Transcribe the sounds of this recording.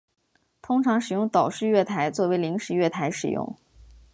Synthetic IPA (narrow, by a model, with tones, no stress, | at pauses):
t̪ʰʊ˥ŋʈ͡ʂʰɑ˧˥ŋʂɻ̩˨˩jʊ˥˩ŋt̪ɑ˨˩ʊʂɻ̩˥˧ɥɛ˥˩t̪ʰa˧˥ɪt͡swɔ˥˩we˧˥ɪli˧˥ŋʂɻ̩˨˩ɥɛ˥˩t̪ʰa˧˥ɪʂɻ̩˨˩jʊ̰˥˩ŋ